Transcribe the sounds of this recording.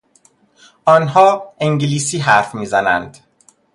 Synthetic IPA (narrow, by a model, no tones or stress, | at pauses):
ɒːnɦɒːeŋɟliːsiːɦæɾfmiːzænæ̰nd̪̥